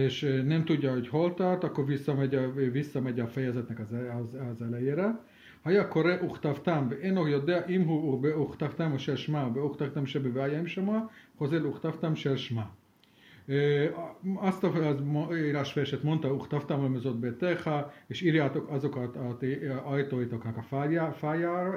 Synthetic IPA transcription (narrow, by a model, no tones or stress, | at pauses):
eʃnɛmt̪uɟ̪ʲːaoɟʲholt̪at̪akːovisːamɛɟʲavisːamɛɟʲaafɛjɛzɛt̪nɛkazzazɛlejeɾɛ | hajakoɾeʔuxt̪aft̪amveʔenokjod̪eaʔimɦubeuχt̪aft̪amoʃɛlʃmabeuxt̪aft̪amʃɛbeveajaimʃamaχozeluχt̪aft̪amʃelʃma | ast̪azoiɾaʃpɛɾʃet̪mont̪auxt̪avt̪amlemezot̪̚bet̪eχaiʃiɾjat̪okazokat̪at̪ajt̪oit̪aknakafaafaja